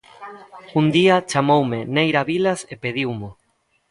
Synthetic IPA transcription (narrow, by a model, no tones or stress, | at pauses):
und̪iat͡ʃamowmenejɾaβilasepeð̞iwmʊ